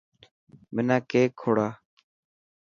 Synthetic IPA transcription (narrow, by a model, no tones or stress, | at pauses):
mɪnãːkeːkʰːoːɽaː